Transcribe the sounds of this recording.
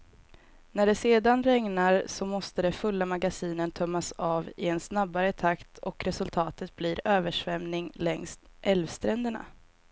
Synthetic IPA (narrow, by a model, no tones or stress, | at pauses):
næɖɛseːd̪anɾɛŋnaɾsɔmɔst̪əd̪ɛfɵlːamaɡasiːnənt̪ʰœmːasɑːvɪɛnsnabːaɾət̪ʰakt̪ʰɔkɾɛsɵlt̪ʰɑːt̪ət̪̚bliːɾøːvəʂvɛmnɪŋlɛŋst̪ʔɛlvst̪ɾɛnd̪əɳa̰